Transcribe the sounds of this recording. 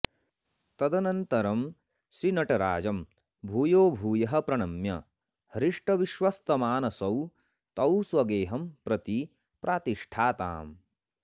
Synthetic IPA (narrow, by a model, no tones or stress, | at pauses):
t̪ɐd̪ɐnɐnt̪ɐɾɐm | sɾinɐʈɐɾa̰ːd͡ʒɐm | bʱuːjoːbʱuːjɐɦɐ̆pɾɐɳɐmjɐ̰ | hɾiʂʈɐʋiʃʋɐst̪ɐmaːnɐsɐw | t̪ɐwswɐɡeːɦɐmpɾɐt̪i | pɾʔaːt̪iʂʈʰaːt̪a̰ːm